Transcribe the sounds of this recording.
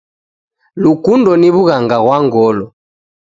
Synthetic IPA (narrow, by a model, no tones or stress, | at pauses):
lukundɔniβuɣaŋɡaɣwaŋɡɔlɔ